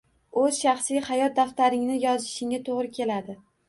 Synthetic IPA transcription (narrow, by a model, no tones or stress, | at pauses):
ɵz̥ʃɑχsijhɑjɒt̪̚d̪aft̪aɾɪŋnɪjɒzɪʃɪŋat̪ʰoʁɾɪkʲʰe̞lad̪ɪ